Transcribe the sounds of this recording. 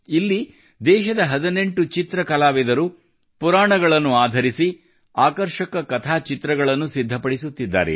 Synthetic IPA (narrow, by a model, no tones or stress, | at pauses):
ilːi | d̪ɛːʃɐd̪ɐɦɐd̪ɐneɳʈut͡ʃit̪ɾɐkɐlaːʋɛd̪ɐɾu | puɾaːɳɐɡɐɭɐnːuaːd̪ʱɐɾisi | aːkɐɾʂɐkɐkɐt̪ʰaːt͡ʃit̪ɾɐɡɐɭɐnːusid̪ʱːɐpɐɽisut̪ːid̪ːa̰ːɾḛ